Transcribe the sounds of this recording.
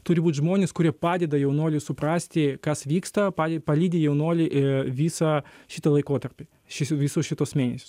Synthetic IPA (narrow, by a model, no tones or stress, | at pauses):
t̪ʊɾʲɪbuːt̪ʲʒmoːnʲeːskʊɾʲiɛpɑːd̪ʲɛd̪ɐjɛʊnuɔːlʲɪsʊpɾɑːsʲt̪ʲɪkɐsʋʲiːkst̪ɐpɑːdʲpɐlʲiːd̪ʲeːjɛʊnuɔlʲɪʋʲiːsɐʃʲɪt̪ɐlˠɐɪkoːt̪ɐɾʲpʲɪ | ʃʲɪʋʲisoːsʃʲɪt̪oːsmʲeːnʲɛsʲoːs